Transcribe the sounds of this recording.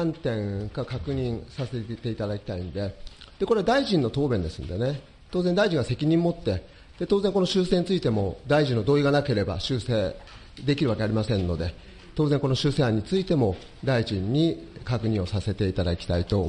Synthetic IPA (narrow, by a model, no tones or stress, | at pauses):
ãnt̪ẽ̞ŋkakakɯ̟ɲ̟ĩŋsase̞t̪e̞it̪ad̪akʲi̥t̪aĩnd̪e̞d̪̥e̞ko̞ɾe̞d̪aiʑĩnːo̞t̪o̞ːbẽ̞nd̪e̞sɨ̰̃nd̪e̞ne̞ | t̪oːzend̪aiʑĩŋɡase̞kʲiɲ̟ĩmːo̞t̪ːe̞ | d̪̥e̞t̪oːze̞ŋkono̞ɕɨːse̞ːɲ̟it͡sɨit̪e̞mo̞d̪aiʑĩnːo̞d̪oːiɡanake̞ɾe̞ba̰ɕɨːseː | d̪e̞kʲiɾɯ̟βake̞aɾʲimasẽ̞nːo̞d̪e̞ | t̪o̞ːzẽ̞ŋko̞no̞ɕɨːseːɦãɲ̟ːit͡sɨit̪e̞mo̞ | d̪aiʑĩɲ̟ːikakɯ̟ɲ̟ĩo̞sase̞t̪e̞it̪ad̪akʲi̥t̪ait̪o̞